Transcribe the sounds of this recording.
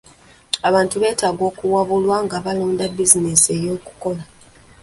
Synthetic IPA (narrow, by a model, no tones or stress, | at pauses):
aβaːntuβe̞ːtaːɡo̞ːkuwaβulwaŋɡaβaloːndabizinese̞jo̞ːku̥ko̞la